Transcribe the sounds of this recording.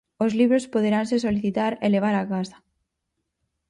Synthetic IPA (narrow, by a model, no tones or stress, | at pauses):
ozliβɾospoð̞eɾansesoliθit̪aɾeleβ̞aɾakasḁ